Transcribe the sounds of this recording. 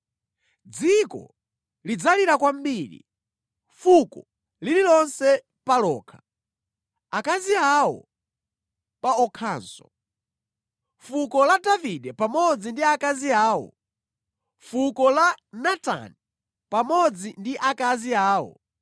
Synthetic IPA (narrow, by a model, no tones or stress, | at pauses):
d͡zikɔ̰ | lid͡zaliɾakwam̩biːɾḭ | fukɔ | lililɔnsɛ | palɔ̰ːkʰḁ | akaziawɔ̰ | paɔkʰaːnsɔ̰ | fukɔladaviɗɛpamɔd͡zindiakaziaːwɔ̰ | fukɔlanata̰ni | pamɔd͡zindiʔakaziaːwɔ̰